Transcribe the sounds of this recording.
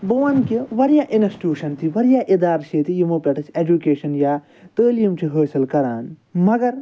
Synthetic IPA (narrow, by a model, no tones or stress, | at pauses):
bɨʋɐnkiʋɐɾjaːʔinɐsʈuːʃɐnt̪ʰiʋɐɾjaːʔid̪aːɾʃeːt̪ijimopʲɐʈɐt͡ʃʰed͡ʒukeːʃɐnjaː | t̪əːljimt͡ʃʰiɦəːsɐlkɐɾaːnmɐɡɐɾ